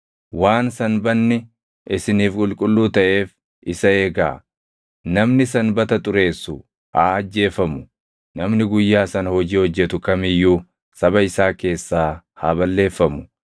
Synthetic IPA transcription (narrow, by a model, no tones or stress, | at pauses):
waːnsɐnbɐnːɪ | ʔɪsɪniːfkʼʊlkʼʊlːuːt̪ɐʔe̞ːf | ɪsɐe̞ːɡa̰ː | nɐmnɪsɐnbɐt̪ɐt̪ʼʊɾe̞ːsːʊ | ʔaːɐd͡ʒːe̞ːfɐmʊ | nɐmnɪɡʊjːaːsɐnɐhɔd͡ʒiːhɔd͡ʒːɛt̪ʊkɐmɪjːuː | sɐbɐɪsaːke̞ːsːaː | haːbɐlːe̞ːfːɐmʊ̥